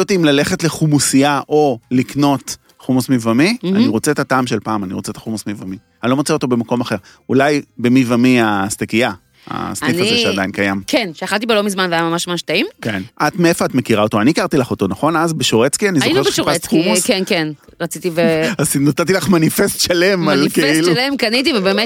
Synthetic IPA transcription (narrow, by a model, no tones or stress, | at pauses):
otiimlaleχe̞tleχumusiaʔo̞likno̞t | χumusmivamia̰niʁo̞t͡seet̪ataːmʃelpaːmaniʁo̞t͡seet̪ḁχumusmivami | anilomot͡seo̞t̪o̞be̞mako̞maχe̞ʁ | ulajbemivamiast̪ekija | a̰sniknaeʃeadainkajamkenʃeaχalt̪̬ibelomizmanveajamamaʃmamaʃtaimkenʔat̪meefo̞atmekiʁao̞toaniːkaʁt̪ilaχo̞to̞naχo̞nazbeʃoʁet͡skianizoeʃoʁaχumukenken | ʁɐt͡sit̪iveaznotat̪̬ilaχmanifest̪ʃalemalkeilulemkanit̬ivebemet